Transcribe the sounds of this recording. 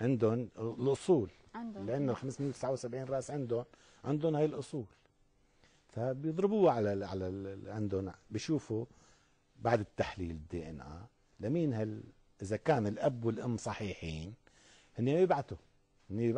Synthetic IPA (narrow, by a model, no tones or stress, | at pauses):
ʕɪnd̪ʊnlʔʊsˤuːl | lɪʔanːʊlxamsmɪnːlt̪ɪ̥sʕawsabʕiːnrˤɑːʔsʕɪnd̪ʊn | ʕɪnd̪ʊnhaːjɪlʔʊsˤuːl | fabjɨðˤɾɪbuːʕalaʕalaʕɪnd̪ʊnbiʃuːfu | baʕd̪ɪt̪ːaħliːlɪd̪ːeːʔɛnʔa̰ː | lamiːnhal | ʔɪzakaːnɪlʔabːwɪlʔamːsˤɑħiːħiːn | hɪnːimabɪbʕat̪ʊ | hɪnːibɪb